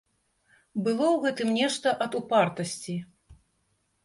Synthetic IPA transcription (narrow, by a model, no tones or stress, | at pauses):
bɨlˠɔwɣɛt̪ɨmnʲɛʂt̪ɐʔɐd̪upart̪ɐsʲt͡sʲi